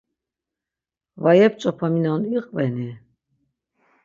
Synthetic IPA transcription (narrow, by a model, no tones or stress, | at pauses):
vajɛp̚t͡ʃʼɔpʰaminaniqʼvɛni